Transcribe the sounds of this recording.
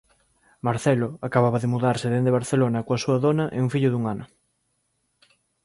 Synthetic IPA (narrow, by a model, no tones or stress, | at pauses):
maɾθɛloakaβaβɐðɪmuðaɾsɪðend̪eβ̞aɾθelonɐkoasuɐðonɐʔeuŋfiʎʊðuŋanɐ